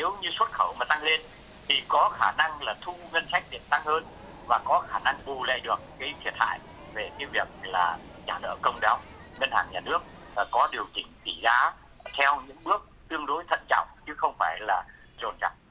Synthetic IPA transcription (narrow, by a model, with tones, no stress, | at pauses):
ne˨˦wɲɨ˧swə˦˥t̚xə˧˩wmaː˨˩t̪a˧ŋle˧n | t̪ʰi˨˩kɔ˨˦xaː˧˩na˧ŋlaː˨˩t̪ʰu˧ŋə˧nsa˦˥jk̚ɗi˨˩əm̚t̪a˧ŋhəː˧n | vaː˨˩kɔ˨˦xaː˧˩na˧ŋɓu˨˩lḛ˧˨ɗɨ˨˩ək̚ːa˨˦jt̪ʰi˨˩ət̚ha̰ː˧˨j | ve˨˩kaː˨˦jvi˨˩ək̚laː˨˩t͡ɕaː˧˩nə̰ː˧˨kə˧wŋ͡mɗa˨˦wŋə˧nhaː˧˩ŋɲaː˨˩nɨ˦˥ək̚aː˨˩kɔ˨˦ɗi˨˩əwt͡ɕï˧˩ŋ̟t͡ɕi˧˩zaː˨˧˩ | t̪ʰɛ˧wɲɨ̰˧˥ŋɓɨ˦˥ək̚t̪ɨ˧əŋɗo˧˨˦jt̪ʰə̰˧˨nt͡ɕɔ̰˧˨wŋ͡mt͡ɕɨ˨˦xə˧wŋ͡mfaː˧˩jlaː˨˩ | zo̰˨˩nt͡ɕa̰˧˩k͡p̚